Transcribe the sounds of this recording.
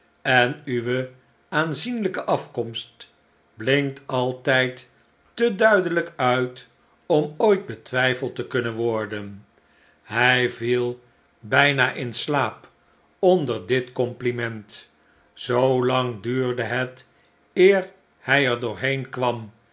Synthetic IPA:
ɛnyʋə | aːnzinləkəʔɑfkɔmst | blɪŋtɑlˠtɛjtː | ədœɥdələkœɥt | ɔmojd̚bətʋɛjfəlˠtəkɵnənʋɔɹdən | ɦɛjvilˠ | bɛjnaːʔɪnslaːp | ɔndəɹdɪtkɔmplimɛnt | zowlɑŋdyːɹdəɦɛt | ɪːɹ | hɛjɛɹdʊːɹɦejnkʋɑm

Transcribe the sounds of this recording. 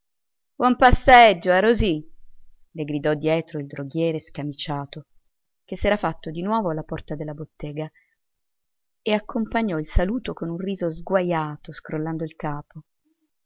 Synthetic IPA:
b̥wɔmpasːed͡ʒːoaɾozi | leɡɾid̪ɔd̪ːjɛːt̪ɾoild̪ɾoɡjɛːɾeskamit͡ʃaːt̪o | k̟esːɛːɾafat̪ːod̪inwɔːvoalːapɔrt̪ad̪elːabot̪ːɛːɡa | eakːompaɲːɔilsaluːt̪okonunriːzozɡwajaːt̪oskɾolːand̪oilkaːpo

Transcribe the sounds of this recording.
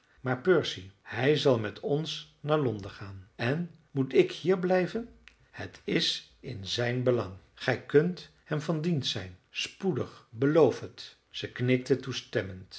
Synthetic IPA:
maːɹpøɹsihɛjzɑlˠmɛtʰɔns | naːɹlɔndəχaːnɛn | mutɪkhiːɹblɛjvən | hətʰɪsɪnzɛjnbəlɑŋ | χɛjkɵnt | hɛmvɑndintsɛjnspudəχbəlowfɦət | z̥əknɪk̚tətustɛmənt

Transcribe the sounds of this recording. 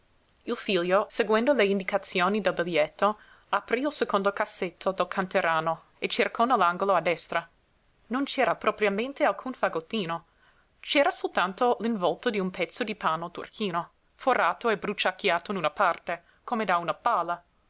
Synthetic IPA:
ilfiʎjoseɡwend̪oleind̪ikat̪sjoːnid̪elbiljɛt̪ːo | apɾiilsekond̪okasːet̪ʰːod̪elkʰant̪eɾaːno | et͡ʃerkʰɔnɛlːaŋɡoload̪ːɛst̪ɾa | nont͡ʃɛːɾapɾopɾiament̪ealkʰunfaɡot̪ːiːno | t͡ʃɛːɾasolt̪ant̪oliɱvɔlt̪od̪iumpɛt̪sːod̪ipaːnot̪ṵrkʰiːno | foraːt̪oebɾut͡ʃakːjaːt̪oinunapart̪e | komed̪aunapaːla

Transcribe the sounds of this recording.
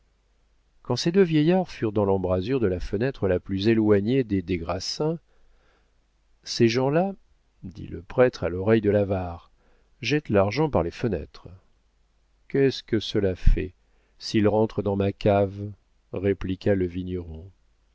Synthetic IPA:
kɑ̃sed̪øvjɛjaʁfyʁd̪ɑ̃lɑ̃bʁazyʁd̪əlafənɛt̪χəlaplyzelwaɲed̪ed̪eɡʁasɛ̃ | seʒɑ̃la | d̪ḭlə̰pχɛt̪χalɔʁɛjd̪əlavaʁ | ʒɛt̪laʁʒɑ̃paʁlefənɛ̰t̪χ | kɛskəsəlafɛ | silʁɑ̃t̪χəd̪ɑ̃makav | ʁeplikaləviɲəʁɔ̃

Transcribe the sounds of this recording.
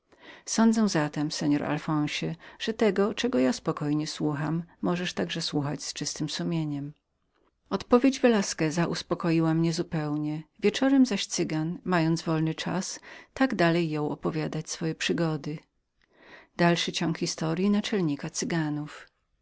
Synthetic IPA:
sɔnd̪zɛw̃zat̪ɛmsɛɲɔɾa̰lfɔ̃w̃ɕɛʐ̥ɛt̪ɛɡɔt͡ʂɛɡɔjaspɔkɔjɲɛswuxamːɔʐɛʂt̪aɡʐɛswuxad͡ʑst͡ʂɘst̪ɘmsumʲjeɲɛm | ɔt̪pɔvʲjed͡ʑvɛlaskɛzaʔuspɔkɔjiwamɲɛzupɛwɲɛvʲjɛt͡ʂɔɾɛmzaɕt̪sɘɡanmajɔnd̪zvɔlnɘt͡ʂa̰st̪aɡd̪alɛjːɔ̃w̃ʔɔpɔvʲjad̪at͡ɕsfɔjɛpʂɘɡɔd̪ɘ | d̪alʂɘt͡ɕɔŋkxʲist̪ɔɾjinat͡ʂɛlɲikat̪sɘɡanuf

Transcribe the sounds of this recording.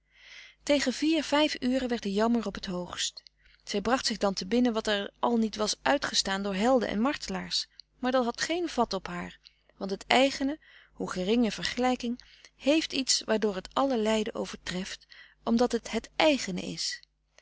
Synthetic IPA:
tejχənviːɹv̥ɛjfyːrənʋɛɹt̚dəjɑməɹɔpɦətɦowχst | z̥ɛjbrɑχtsɪχdɑntəbɪnənʋɑtɛɹʔɑlˠnitʋɑsʔœɥtχəstaːndʊːɹɦɛlˠdə̰nʔɛ̰nmɑɹtəlaːɹs | maːɹdɑtɦɑtχejnv̥ɑtɔpɦaːɹ | ʋɑntətɛjχənə | huχərɪŋəv̥əɹχəlɛjkɪŋ | hejftitsʋaːɹdʊːɹɦətɑləlɛjdəʔo̰wv̥əɹtrɛft | ʔɔmdɑtətɦətɛjχənə̰ɪ̰s

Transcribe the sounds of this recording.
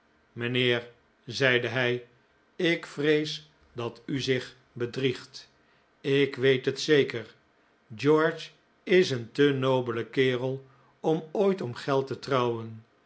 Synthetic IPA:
mənɪːɹ | zɛjdəɦɛj | ɪkfrejs | dɑtyzɪχ | bədriχt | ɪkʋejtɦətsejkər | d͡ʒɔɹd͡ʒ | ɪsəntənowbələkɪːrəlˠ | ɔmojtɔmχɛlˠtətrɑwən

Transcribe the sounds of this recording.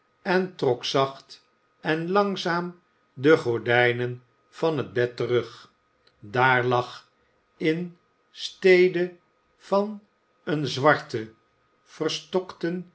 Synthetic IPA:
ɛntrɔksɑχt | ɛnlɑŋzaːm | dəχʊɹdɛjnən | v̥ɑnɦəd̚bɛtərɵχ | daːɹlɑχ | ɪn | stejdə | v̥ɑn | ənzʋɑɹtə | v̥ərstɔktən

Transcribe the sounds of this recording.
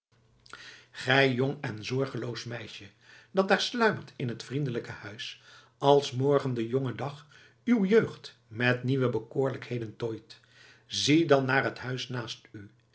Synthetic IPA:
χɛjjɔŋɛnzɔɹχəlowsmɛjʃə | dɑt̚daːɹslœɥməɹtʰɪnɦətfrindələkəhœɥs | ɑlˠsmɔɹχəndəjɔŋədɑχ | ywjøːχt | mɛtniʋəbəkʊːɹləkhejdəntojt | zidɑnːaːɹɦətɦœɥsnaːsty

